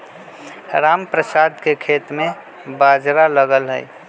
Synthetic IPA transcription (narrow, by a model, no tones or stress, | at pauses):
ɾaːmpɾəsad̪ʱkekʰeːt̪mẽ | bad͡ʒɾaləɡəlɦə̰j